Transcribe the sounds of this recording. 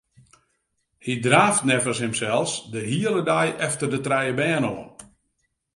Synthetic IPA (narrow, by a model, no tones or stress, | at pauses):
hidraːftnɛvəshɪmsɛlˠsdəɦiələdajʔɛftərdətrɛjəbɛːnoːən